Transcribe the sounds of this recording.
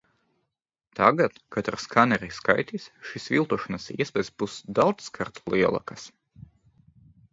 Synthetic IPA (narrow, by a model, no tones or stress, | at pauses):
t̪aɡat̪kat̪ɾaskanɛɾiska̰jt̪isʃisvilˠt̪uɔʃanɐsḭɛspʲɛːj̪sbusd̪awd̪sːkaɾt̪lˠiɛlˠa̰kas